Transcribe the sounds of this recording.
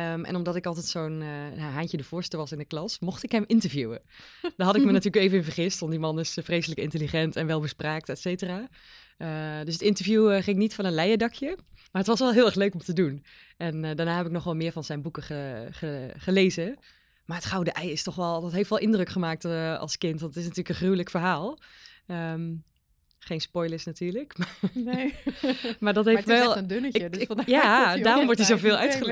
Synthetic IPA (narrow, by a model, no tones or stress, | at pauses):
əmʔɛ̰nɔmdɑtɪkɑlˠtɛtsownjaɦaɲcədəv̥ʊːɹstəɹʋɑsɪndəklɑsmɔχtɪkɦəmʔɪntəɹvjuwə̰ | d̥aɦɑtɪkmənatyːəkejvənvəɹχɪstʋɑntdimɑnɪsfrejsələkɪntəliχɛntɛnʋɛlˠbəspraːk̚tɛtsejtəraː | ədøs̬ətɪntəɹvjuχɪŋnitfɑnənlɛjədɑkʰjəmaːɹɦətʋɑsʋɛlˠɦɪːlˠɛxløɥkɔmtədun | ɛndaːɹnaːɦɛpɪk̚nɔχʋɛlˠmɪːɹvɑnzɛjnbukəəχəχəleːzə | maːətχawdəʔɛjɪstɔχʋɛlˠdɔtɦeftʋɛlˠʔɪndrøkχəmaːk̚tɑ̰lˠskɪntʋɑntətɪsnatyːləkənχrywləkfərɦaːlˠəm | χejnspɔjləɹsnatʰyːɹləkma | maːdɔtɦejftɛlˠndønəəjjadaːrɔmʋɔɹtizovɪːlˠœɥtχə